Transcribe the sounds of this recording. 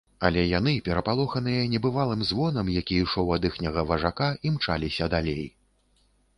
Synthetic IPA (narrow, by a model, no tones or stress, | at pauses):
ɐlʲɛjanɨpʲɛɾɐpalˠɔxɐnɨjɐnʲɛbɨvalˠɨmzvɔnɐmjakʲiiʂɔwɐd̪ɨxnʲɐɣɐvɐʐakaimt͡ʂa̰lʲisʲɐd̪alʲej